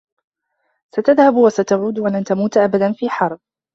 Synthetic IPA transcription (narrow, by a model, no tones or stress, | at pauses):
sat̪aðhabwasat̪aʕuːd̪walant̪amuːt̪ʔabad̪anfiːħɑɾˤb̚